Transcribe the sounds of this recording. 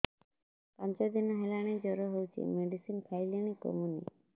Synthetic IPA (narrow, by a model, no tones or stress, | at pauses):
pɔnt͡ʃɔd̪inɔɦelaɽ̃ed͡ʒɔɾɔɦowt͡ʃʰḭmeɖisinkʰajliɽ̃iko̰munḭ